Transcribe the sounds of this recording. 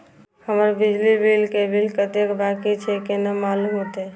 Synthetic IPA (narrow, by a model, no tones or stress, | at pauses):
həməɾbid͡ʒlibilkebʱilkət̪ekbakit͡ʃʰɛkenəmalumɦot̪ɛ